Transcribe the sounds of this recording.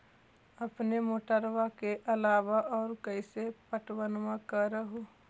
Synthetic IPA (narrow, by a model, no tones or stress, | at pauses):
ɐpnemoːʈəɾwakeʔɐlaːʋaʔɔːɾkəɪsepəʈwənwãkəɾəɦoː